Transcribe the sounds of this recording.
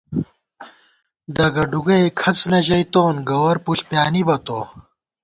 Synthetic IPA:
d̪ɐɡɐɖuɡɐjkʰɐt͡snɐʑɐjt̪oːnɡɐwɐɾpuɬpjaːnibɐt̪oː

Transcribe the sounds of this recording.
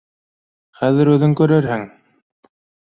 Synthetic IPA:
χæðɘ̆ɾʉðɘŋkɵ̆ɾɘɾɦɘŋ

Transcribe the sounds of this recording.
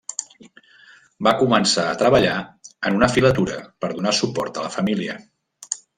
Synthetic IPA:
bakumənsaət̪ɾəβəʎaənunəfilət̪uɾəpəɾðunasupɔɾt̪ələfəmiliə

